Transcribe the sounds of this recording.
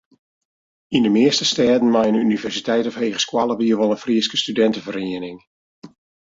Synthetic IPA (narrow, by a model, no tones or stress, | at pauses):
indəmɪəstəstɛːdən̩majənynivɛrsitɛjtɔfheːɣəskwalˠəbiəʋɔlˠənfriəskə̥stydɛntəvəriənɪŋ